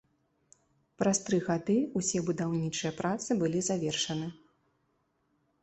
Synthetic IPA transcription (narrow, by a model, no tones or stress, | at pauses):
pɾast̪ɾɨɣad̪ɨusʲɛbud̪awnʲit͡ʂɨjɐpɾat̪sɨbɨlʲizavʲɛrʂɐnɨ